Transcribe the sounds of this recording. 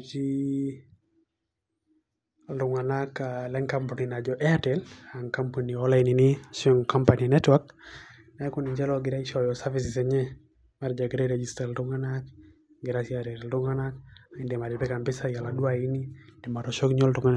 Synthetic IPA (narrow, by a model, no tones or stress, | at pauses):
t͡ʃi | lɾʊŋanakalɛŋkampɔninad͡ʒɔʔɛatɛlaŋkamponiɔlaininisɔŋkɔmpaninɛtwak | naɛkuniɲd͡ʒɛlɔɡɪɾaiʃɔjɔsavisɪsɛɲɛ | maɾd͡ʒaɡɛɾɛɾɛd͡ʒistalɾʊŋanak | ɡɪɾasiaɾɛɾlɾʊŋanakaindɛmaɾɛpɛkambɪsajaladuainidɛmaɾɔʃɔkɲɔldʊŋan